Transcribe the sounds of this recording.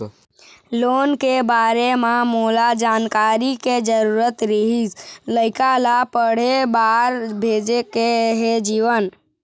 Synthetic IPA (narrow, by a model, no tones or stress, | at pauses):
loːnkebaːɾememoːlad͡ʒaːnkaːɾiked͡ʒəɾuːɾət̪ɾiɦisləɪkalapəɽ̤ebaːɾbʱeːd͡ʒekeɦed͡ʒiːʋən